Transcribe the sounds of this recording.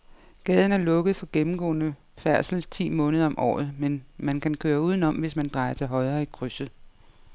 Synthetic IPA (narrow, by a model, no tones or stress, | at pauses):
ɡ̥ɛːð̞ˠn̩æɐlɔ̽ɡ̥əð̞̩ˠfɒ̽ɡ̥emm̩ɡ̥ɔ̰̽ːnə | fæɐsl̩t͡sʰḭːmɔ̽ːnəð̞ˠɐɒ̽mʔɒ̰ːð̞̩ˠmenmænkʰænkʰøːɐuːð̞ˠnɒ̽mʋe̝smænd̥ʁɑ̈ɪɐt͡sʰe̝lɦɒ̽ɪɐːikʰʁysə